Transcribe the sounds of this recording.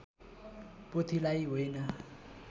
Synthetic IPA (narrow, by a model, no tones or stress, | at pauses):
pot̪ʰilajɦojnʌ